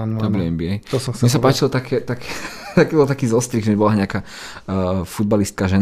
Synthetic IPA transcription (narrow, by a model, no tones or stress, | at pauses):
abɾɛɛmbiɦɛjt̪ɔsɔmɪɛs̬apaːt͡ʃilɔt̪akʰɛt̪akʰɛ̥t̪akibɔlˠt̪akiːzɔst̪ɾiɣʒɛɛbɔlaɲɪaka | fud̪̚balist̪̚kaʒɛn